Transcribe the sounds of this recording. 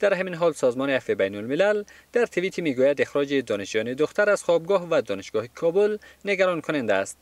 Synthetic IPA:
d̪̥æɾɦaminɦɔlsɔzmɔniafibajnʊlmilald̪̥æɾt̪ʰivit̪ʰimiɡujad̪exɾɔd͡ʒid̪ɔniʃd͡ʒujɔnid̪ʊxt̪aɾaz̥χɔb̚ɡɔhvad̪ɔnɪʃɡ̥ɔhikʰɔbʊlneɡaɾɔnkʰʊnand̪aːst̪̚

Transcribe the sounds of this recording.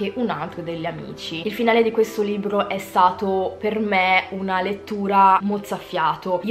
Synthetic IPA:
eʔunalt̪ɾod̪eʎːamḭːt͡ʃiilfinaːled̪ikwest̪oliːbɾoʔɛst̪aːt̪opermeunalet̪ːuːɾamot̪safːjaːt̪oi

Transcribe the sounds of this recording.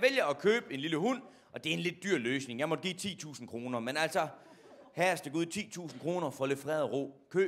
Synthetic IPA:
ʋeljɐɒkʰøːb̥e̝nliləhun̰ | ʔɒ̽d̥e̝æɐe̝nle̝d̥̚ːyɐ̰løːsne̝ŋjɑmɒ̽d̥̚ɡ̥ḭːt͡sʰḭːt͡sʰṵːsn̩kʰʁo̝ːnɐmenæl̰sɒ | hæɐsd̥eɡ̥uð̰ˠt͡sʰḭːt͡sʰṵːsn̩kʰʁo̝ːnɐfɒ̽løfʁɛːð̩ˠʁo̰ːkʰøː

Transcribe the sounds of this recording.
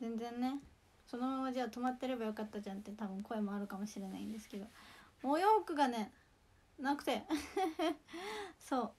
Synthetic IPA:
zẽ̞nd͡zẽ̞nːe̞ | so̞no̞mamad͡ʑaːt̪o̞mat̪ːe̞ɾe̞bajokat̪ːad͡ʑãnt̪e̞t̪abɯ̟̃ŋko̞e̞mo̞aɾɯ̟kamo̞ɕiɾe̞naĩnd̪e̞sɨ̥ke̞d̪o̞moːjoːkɯ̟ɡane̞ | nakɯ̟̥t̪e̞ | so̞ː

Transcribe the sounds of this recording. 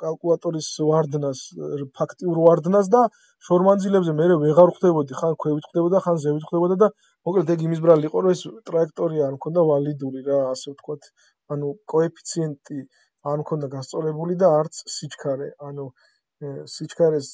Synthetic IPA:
kʼalˠkʼulˠat̪ʼɔɾisvaɾd̪naspʰakʰt̪ʼiuɾvaɾd̪nas̬d̪a | ʃɔɾmand̪zilɛbzɛmɛɾɛvɛʁaɾχʰd̪ɛbɔd̪iχankʰwɛvit̪ʰχʰd̪ɛbɔd̪χanzɛvit̪χwd̪ɛbɔd̪ad̪a | mɔkʼlɛt̪ʰɛɡimis̬bɾaliːqʼɔɾɔɛst̪ʼɾaɛkʰt̪ʼɔɾiaːɾmkʰɔnd̪avalid̪uɾiɾaːsɛvt̪ʰkʰwat̪ʰ | anukʼɔɛpʰi̥t̪sʰiɛnt̪ʼi | aɾmkʰɔnd̪aɡast̪sʼɔɾɛbulid̪aːɾt̪sʰːit͡ʃʰkʰaɾɛanu | sit͡ʃʰkʰaɾɛs

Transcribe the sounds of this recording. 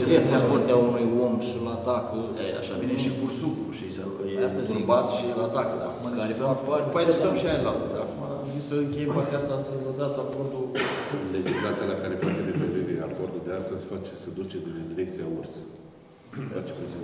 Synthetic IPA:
d̪iɾekt̪siakort̪eaunujo̞mʃilat̪akʰə | ḛja̰ʃavineʃikursukluʃisa | jeast̪əzʲbat̪ʃilat̪akəd̪a̰kumakaɾepenɾupaɾpajd̪est̪ɾəmʃiaelalt̪əd̪aːkumaːmzissəɨŋkʲe̞jempart̪east̪asəvəɡ̪at̪safond̪uled͡ʒislat̪sijalakaɾe̞fat͡ʃed̪epɾevevea̰kord̪uld̪east̪əzʲfat͡ʃesəd̪ut͡ʃed̪d̪iɾek̚t̪siaors | sefat͡ʃepet͡ʃi

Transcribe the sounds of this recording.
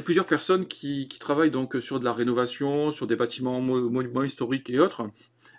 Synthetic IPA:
plyzjœʁpɛʁsɔnkʲʰikʲi̥t̪χavajd̪ɔ̃ksyʁd̪əlaʁenɔvasjɔ̃syʁd̪ebat̪imɑ̃mmmwɛ̃ist̪ɔʁikeot̪χ

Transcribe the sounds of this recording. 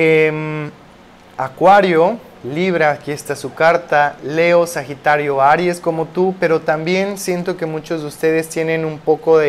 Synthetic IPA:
em | akwaɾjo̞ | liβ̞ɾakiest̪asukaɾt̪ale̞osaxit̪aɾjoaɾje̞sko̞mo̞t̪upe̞ɾo̞t̪ambje̞nsje̞nt̪o̞ke̞mũt͡ʃo̞zðeust̪e̞ðe̞st̪je̞nẽ̞numpo̞ko̞ðe

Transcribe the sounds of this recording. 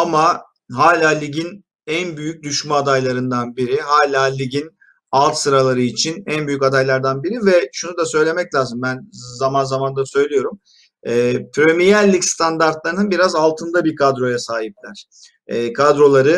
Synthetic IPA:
ama | ɦaːlʲaːlʲiɟin | ænbyjyc̚d̪yʃmaad̪ajlˠaɾɯnd̪anbiɾiɦaːlʲaːlʲiɟin | alˠt̪sɯɾalˠaɾɯit͡ʃʰinænbyjycad̪ajlˠaɾd̪anbiɾivɛʃunud̪asø̞jlʲe̞mɛclʲaːzɯmbænzamanzamand̪asø̞jlʲijo̞ɾum | ɛːpʰɾømijælʲːicst̪ʰand̪aɾt̪lˠaɾɯnɯnbiɾazalˠt̪ʰɯnd̪abiɾkʰad̪ɾo̞jasaːɦip̚lʲæɾ̝̥ | ɛːkʰad̪ɾo̞lˠaɾɯ

